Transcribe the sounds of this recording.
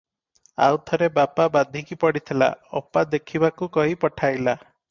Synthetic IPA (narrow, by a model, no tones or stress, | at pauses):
a̰wt̪ʰɔɾebapabad̪ʱikipɔɽit̪ʰila̰ɔ̰pad̪ekʰibakukɔɦipɔʈʰajla